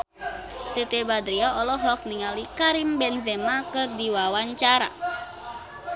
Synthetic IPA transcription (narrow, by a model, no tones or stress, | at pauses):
set̪ebad̪ɾiaɔlɔɦɔk̚niŋalikaɾimbɛnzɛmakədiwawaɲt͡ʃaɾa̰